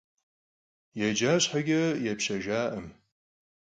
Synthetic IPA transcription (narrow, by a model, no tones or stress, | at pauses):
jɛd͡ʒaːɕħaɡʲɐjɛpɕɐʒaːʔəm